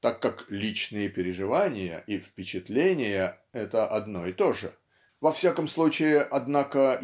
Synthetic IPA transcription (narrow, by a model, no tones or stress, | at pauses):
t̪akːaklʲit͡ɕnɨjəpʲɪɾʲɪʐɨvanʲɪjə̰ʔifpʲɪt͡ɕɪt̪lʲenʲɪjə | ɛt̪əʔɐd̪no̞ɪt̪o̞ʐɨ | vɐfsʲakəmslˠut͡ɕɪɪʔɐd̪nakə